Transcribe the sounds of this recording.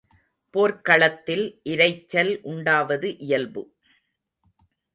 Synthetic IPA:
poːɾkɐɭɐt̪ːɪlʔɪɾɐɪt͡ʃːɐlʔʊɳɖaːʋɐðɯʔɪjɐlbɯ

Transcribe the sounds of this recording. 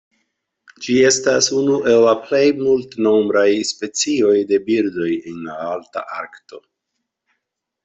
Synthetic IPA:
d͡ʒie̞stasunuʔe̞lːaple̞jmultno̞mbɾajspe̞t͡sio̞jde̞biɾdo̞jenlaalta̰ʔa̰ɾkto̞

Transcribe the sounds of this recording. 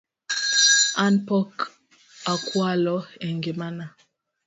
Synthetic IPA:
anpɔk | akwalɔɛŋɡemana

